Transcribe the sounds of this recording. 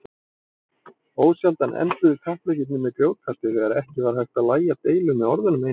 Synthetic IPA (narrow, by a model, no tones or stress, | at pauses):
oːwsjalt̪anʔɛ̰nt̪ʏðɪkʰaht̪lɛcɪt̪̬̚nʏmɛðkɾjoːwkʰat̪ɪθɛɣaɾɛhcɪvaːɾ̥hajht̪aðlaːjat̪eːjlʏmɛðɔɾðʏnʏme